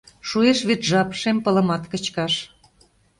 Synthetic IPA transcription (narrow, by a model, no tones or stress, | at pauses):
ʃueʃβet̪ʒɑpʃempə̆lə̆mɑt̪kə̆t͡ɕkɑʃ